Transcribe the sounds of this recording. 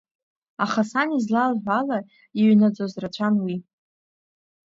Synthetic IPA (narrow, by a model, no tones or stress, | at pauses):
aχasanizlalʕʷala | iɥnad͡zʷozrat͡ɕʷʰanwi